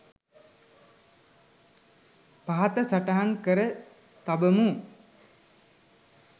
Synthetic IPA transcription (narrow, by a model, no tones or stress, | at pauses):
paɦat̪əsaʈaɦankəɾə | t̪abəmu